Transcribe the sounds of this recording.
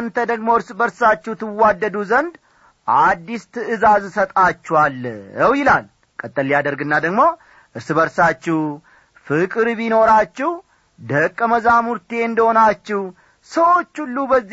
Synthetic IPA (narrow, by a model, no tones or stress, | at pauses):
nt̪ʰəd̪əɡmoɨɾsbəɾsat͡ʃːɛht̪ʰɨwad̪ːəd̪uzənd̪ | ʔad̪ːist̪ʰɨɨzazsət̪ʼat͡ʃːɛwalːjəwjɪlal | kʼət̪ʼːəlːijad̪əɾɡɨnːad̪əɡmo̞ | ʔɨɾsɨbəɾsat͡ʃːɪw | fɨkʼɨɾβino̞ɾat͡ʃːɛw | d̪əkʼːəməzamuɾt̪e̞ɨnd̪əhonat͡ʃːɪh | səwo̞t͡ʃːulːubəzː